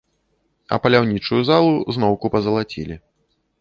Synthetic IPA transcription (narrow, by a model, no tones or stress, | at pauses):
ɐ̰pɐlʲawnʲit͡ʂujuzalˠuznɔwkupɐzɐlˠat͡sʲḭlʲi